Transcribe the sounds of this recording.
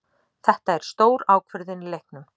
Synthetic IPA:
θɛht̪aɛɾ̥st̪oːwɾaːwkʰvʏɾðɪnilejhknʏm

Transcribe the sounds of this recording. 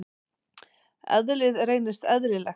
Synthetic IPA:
ɛ̰ðlɪðreːjnɪst̪ɛðɾɪlɛ

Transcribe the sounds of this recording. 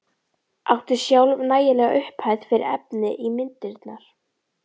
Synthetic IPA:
a̰wht̪ɪsjawlvnaːjɪlɛːɣa̰ʔʏhphaːjð̥fɪɾɪ̰ɾɛ̰pnɪʔimɪnt̪ɪɾt̪naɾ̥

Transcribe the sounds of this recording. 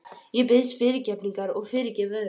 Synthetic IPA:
jɛp̬ɪðsfɪɾɪcɛpniŋkaɾɔɣfɪːɾɪcɛva

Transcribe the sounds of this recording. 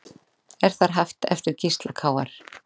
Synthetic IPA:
ɛɾ̥θaɾɦaft̪ɛ̰ft̪ʏɾ̥cʰist̪lakʰaːwaɾ̥

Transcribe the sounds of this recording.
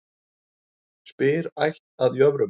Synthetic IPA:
spɪːɾajçt̪̚aðjœvɾʏ

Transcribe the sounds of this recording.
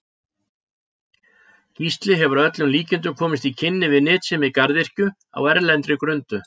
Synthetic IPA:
cvist̪lɪɦɛvʏɾaœt̪lʏnliːcɪnt̪̬ʏkʰɔːmɪst̪icʰɪnːɪvɪðnɪːt̪sɛmɪðkaɾðɪr̥cʏ | a̰wɛɾlɛnt̪ɾɪkɾʏnt̪ʏ

